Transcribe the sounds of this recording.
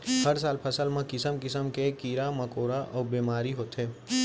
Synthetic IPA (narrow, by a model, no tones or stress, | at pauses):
həɾsaːlpʰəsəlmãkɪsəmkɪsəmkekiːɾamɐkoːɾaʔɔːbiːmaːɾiɦoːt̪ɦeː